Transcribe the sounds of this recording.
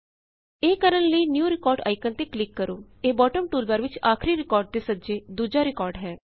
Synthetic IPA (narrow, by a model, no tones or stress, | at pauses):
eːkəɾənləiːnjuːɾɪkɔːɾɖa̰ːɪkənt̪eːklɪkːəɾoː | eːbɔːʈəmʈuːlbəɾʋɪt͡ʃaːkʰɾiɾɪkɔːɾɖ̚t̪eːsəd͡ʒeːd̪uːd͡ʒaːɾɪkɔːɾɖɦɛː